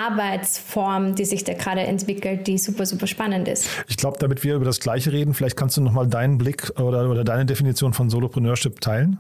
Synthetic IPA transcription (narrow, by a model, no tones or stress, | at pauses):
ʔaɐbaɪt͡sfɔɐmd̥iːzɪçd̥aːɡʁaːɾəʔɛ̰ntv̥ɪkl̩t̚d̥iːzuːpɐzuːpɐʃpanəntɪ̰stʔɪçɡ̥laʊbəd̥amɪtv̥iːɐʔyːbɐdasɡ̥laɪçəʁeːdn̩fɪlaɪçt̚kʰanstd̥uːnɔχmaːldaɪnənblɪkʔoːdɐʔoːdɐdaɪnədefinit͡sjoːnfɔnzoːlopʁ̥ɛnøːɐʃɪptʰaɪlən